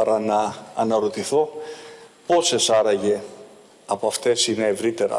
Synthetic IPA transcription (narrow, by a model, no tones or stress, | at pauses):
ɐɾɐnɐːnɐɾo̞t̪iθo̞ | po̞se̞sɐɾɐʝe̞ | ɐpoɐft̪e̞sine̞ːvɾit̪e̞ɾɐ̰